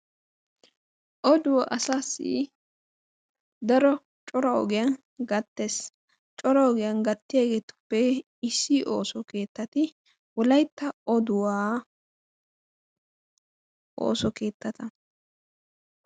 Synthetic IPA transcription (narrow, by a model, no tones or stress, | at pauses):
ʔɔd̪ʊwaʔɐsaːsḭ | d̪ɐɾɔ | t͡ʃʼɔɾɐɔ̰ɡɪjɐn | ɡɐt̪ːes | t͡ʃʼɔɾɐɔɡɪjɐnɡɐt̪ːɪjaɡeːt̪ʊ̥pːɛ | ɪsːiʔoːsɔke̞ːt̪ːɐt̪ɪ | wɔlɐjt̪ːɐɔd̪ʊwaː | ʔo̰ːsɔke̞ːt̪ːɐt̪ɐ